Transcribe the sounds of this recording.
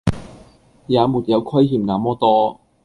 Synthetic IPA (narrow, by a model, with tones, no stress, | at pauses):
jaː˨˧muː˨t̚jɐ˨˧wkʰɐ˥jjiː˨˩mŋaː˨˥mɔː˥t̪ɔː˥